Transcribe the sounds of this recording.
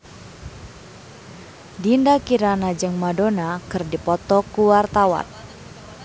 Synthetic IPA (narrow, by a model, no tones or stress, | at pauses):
dindakiɾanad͡ʒɨŋmadonakɨrdipɔt̪ɔkuwart̪awa̰n